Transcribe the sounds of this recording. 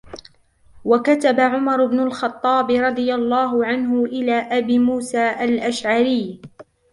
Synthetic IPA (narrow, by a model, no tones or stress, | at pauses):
wakat̪abaʕʊmɑɾˤʊbnʊlxɑt̪ˤːɑːbɪɾˤɑd̪ˤɨjalˤːɑːɦʊʕanɦʊʔɪlaːʔabiːmuːsaːʔalʔaʃʕaɾɪjː